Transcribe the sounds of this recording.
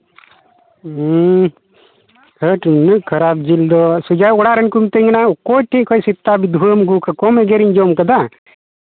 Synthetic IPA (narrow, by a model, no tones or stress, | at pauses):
həʈnɨʔkʰɐɾab̚d͡ʒild̪ɔsud͡ʒajɔɽaɾənkumt̪ɛŋɡnakɔʈʰiʔkʰɔjsit̪ːabid̪ʱuəmɡukakɔmɛɡeɾiɲd͡ʒɔmkəd̪a